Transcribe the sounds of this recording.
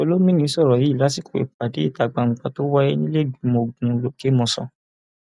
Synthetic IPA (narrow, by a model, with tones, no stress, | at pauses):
o˧˦lo˦mĩ˦nĩ˧˦sɔ˦˨ɾɔ˨ji˨˦i˦˨la˨˦si˦˨ku˨ḛ˨˦k͡pa˨de˨˦i˦˨ta˧˨ɡ͡bã˧ŋ̩˨˧k͡pa˧to˦wa˦jɛ˦nĩ˦le˦˨du˨˦mo˧ɡũ˨˧lo˨˦ke˦mɔ̃˧sɔ̰̃˧˨